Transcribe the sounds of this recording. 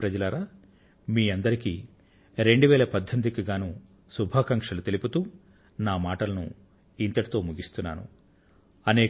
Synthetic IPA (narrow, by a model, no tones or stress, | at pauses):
pɾɐd͡ʒɐlaːɾaː | miːɐnd̪ɐɾiki | ɾe̞ɳɖuʋɛːlɐpɐd̪ʱːɐmd̪ikiɡaːnu | subʱaːkɐŋkʂɐlut̪e̞liput̪uː | naːmaːʈɐlɐnṵ | int̪ɐʈi̥t̪o̞ːmuɡist̪unːa̰ːnṵ | ɐneː